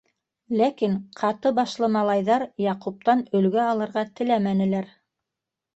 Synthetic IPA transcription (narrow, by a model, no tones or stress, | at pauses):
lækinqʰɑt̪ɤbɑʃlˠɤmɑlˠɑjðɑɾjɑqup̚t̪ɑnɵ̆lɡæɑlˠɤ̆ɾʁɑt̪ɘ̆læmænɘ̆læɾ